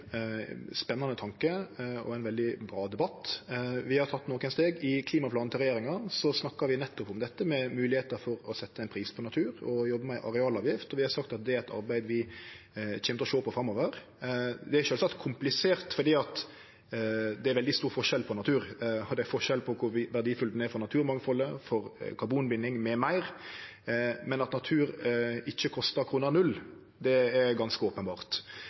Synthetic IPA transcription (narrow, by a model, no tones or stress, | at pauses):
spɛnːɑnət̪ʰɑŋkəɔ̰æɪnʋɛld̪ɪbɾɑːd̪ɛbɑt̪ːʋɪhɑɾt̪ʰɑt̪ːnoːkənst̪eːɡɪkʰliːmɑpʰlɑːn̩ɪlɾɛjeːɾɪŋɑsɔsnɑkːɑɾʋɪnɛt̪ːʊpʊmd̪ɛt̪ːəmɛmʉːlɪheːt̪əɾfɔɾɔsɛt̪ːəɛɪnpʰɾiːspʰɔnɑt̪ʰʉːɾɔjɔbːəmɛʔɑ̰ɾɛɑːlɑːʋjɪft̪ɔʋɪhɑɾsɑkt̪ɑt̪̚d̪ɛæɾɛt̪ɑ̰ɾbæɪd̪ʋɪ | çɛːmt̪əɾɔʃoːpʰɔfɾɑmːɔʋəɾ | d̪ɛæɾʃøːlsɑkt̪kʰʊmplɪseːɾt̪fɔɾd̪iːɑt̪ | d̪ɛæɾʋɛld̪ɪst̪uːɾfɔʂɛlpʰɔnɑt̪ʰʉːɾɔd̪ɛæɾfɔʂɛlpʰɔkʰʊɾʋɪʋæɾd̪iːfʉlt̪nɛfɔɾnɑt̪ʰʉːɾmɑŋfɔlːəfɔɾkʰɑɾbuːnbɪnːɪŋmɛmæɪɾ | mɛnɑt̪nɑt̪ʰʉːɾɪçːəkʰɔst̪əɾkʰɾuːnəɾnʉl | d̪ɛɛɾɡɑnskəoːpənbɑːʁt̪